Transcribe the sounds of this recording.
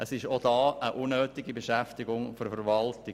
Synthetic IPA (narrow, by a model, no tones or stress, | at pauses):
əsɪʃod̥ɑːəʔunːøːtɪɡibeʃæftɪɡʊŋføɾfəɾʋɑltɪ